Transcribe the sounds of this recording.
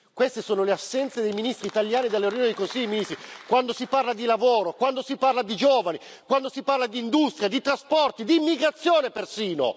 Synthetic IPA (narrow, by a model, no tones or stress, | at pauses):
kwest̪esoːnoleasːɛnt̪sed̪ejminist̪ɾiːt̪aljaːnid̪elːeoɾioːned̪ikosimiːzikwand̪osiparlad̪ilavoːɾokwand̪osiparlad̪id͡ʒoːvani | kwand̪osiparlad̪iːnd̪ust̪ɾjad̪it̪ɾaspɔrt̪id̪iːmːiɡɾat̪sːjoːnepersiːno̰